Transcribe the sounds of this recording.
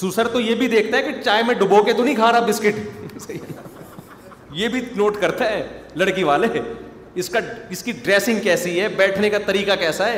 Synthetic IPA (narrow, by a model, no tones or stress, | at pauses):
susəɾt̪ojebʱid̪eːk̚ʰt̪aɦɛkit͡ʃaːemẽɖʊboket̪onɐɦĩɡʰʱaːɾabɪskɪʈs | jebʱinoːʈkɐɾt̪aɦɛ̃ːlɐɽkiʋaːle | ɪskaɪskiɖɾeːsɪ̃ŋɡkɛːsiɦɛːbɛːʈʰnekat̪ɐɾiːkakɛːsaɦɛː